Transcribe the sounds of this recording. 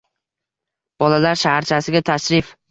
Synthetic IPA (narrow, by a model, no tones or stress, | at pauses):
b̥ɒlalaɾʃahaɾt͡ʃʰasɪɡʲat̪ʰaʃɾɪf